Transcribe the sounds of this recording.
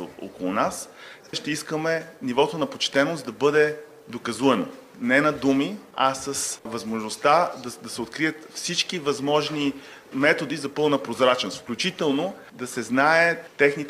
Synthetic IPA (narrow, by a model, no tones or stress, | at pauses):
o̰o̰kolˠʊnas | ʃt̪ɛiskəmɛnivɔt̪onɐpot͡ʃt̪ɛnosd̪ɐbɤd̪ɛ | d̪okɐzuɛno̰ | nɛnɐd̪umiɐsɐsvɐzmoʒnost̪ad̪ɐd̪ɐsɛot̪kɾijət̪fsit͡ʃkivɐzmɔʒni | mɛt̪od̪izɐpɤlˠnɐpɾozɾat͡ʃnost̪fklʲut͡ʃit̪ɛlˠno | d̪ɐsɛznaɛt̪ɛxnit̪